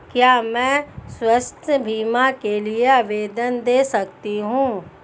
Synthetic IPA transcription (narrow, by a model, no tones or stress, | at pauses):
kjaːmɛ̃ːswɐst̪ʰəbʱiːmakelieaʋeːd̪ənd̪eːsɐkt̪iɦũː